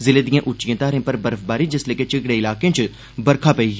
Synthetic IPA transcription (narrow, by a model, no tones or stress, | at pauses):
zɪled̪ijẽʔʊt͡ʃijẽːt̪aːɾẽpɐɾbɐɾfbaːɾid͡ʒɐsleːket͡ʃɪɡɽeɪlaːkẽːt͡ʃ | bɐɾkʰaːpɐi